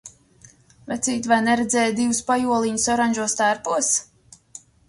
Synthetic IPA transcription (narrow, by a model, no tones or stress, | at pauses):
vɛt̪siːt̪vajnɛɾɛd̪zɛːjd̪ivuspajuɔlˠiɲusɔɾanʲʒuɔst̪aɾpuɔs